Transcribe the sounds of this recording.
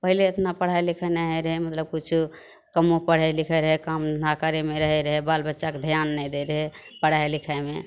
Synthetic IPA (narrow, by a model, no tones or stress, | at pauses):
pəɦileet̪napəɽ̤ajlikʰɛnaɦɛɾəɦɛmət̪ləb̚kut͡ʃʰu | kəmõpəɽ̤ajlikʰəɾəɦɛkamnakaɾemeɾəɦɛɾəɦɛbalbətːʃaked̪ʱijanːɛjd̪eɾəɦe | pəɽ̤aelikʰaeme